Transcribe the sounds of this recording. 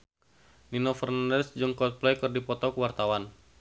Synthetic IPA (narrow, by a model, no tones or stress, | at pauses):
ninɔfərnandɛsd͡ʒɨŋkɔt̪̚plɛkɨrdipɔt̪ɔkəwart̪awan